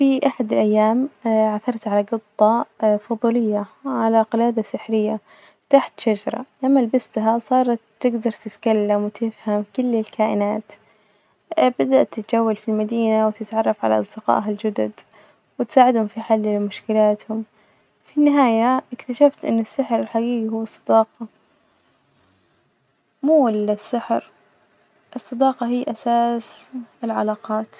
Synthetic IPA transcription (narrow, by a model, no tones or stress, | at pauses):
fiʔaħad̪ɪlʔajːaːmʕaθɑɾˤt̪ʕalaɡɨt̪ˤːɑfʊðˤuːlɪjːaʕalaqɪlaːd̪asɪħɾɪjːa | t̪aħt̪ʃad͡ʒɑɾˤɑ̰lamːalbast̪ɦasˤɑːɾˤɑt̪ːɪɡd̪ɑɾˤt̪ɪt̪kalːamwɪt̪ɪfhamkɪlːɪlkʰaːʔɪnaːt̪ | bad̪aʔt̪ːɪt̪d͡ʒawːalfilmad̪iːnawt̪ɪt̪ʕɑrˤːɑfʕala̰ʔɑ̰sˤd̪ɪqɑ̰ːʔɦald͡ʒʊd̪ʊ̰d̪ | wɪt̪saːʕɪd̪hʊmfiħalːɪlmʊʃkɪlaːt̪hʊm | finːɪɦaːjaʔɪkt̪aʃaft̪ʔɪ̰nːʊɪsːɪħɾɪlħaɡiːɡihuwːɑsˤːɑd̪ɑːqɑ | muːalːasːɪħɾ | ʔɨsˤːɑd̪ɑːqɑɦiːʔasaːsɪlʕalɑːqɑːt̪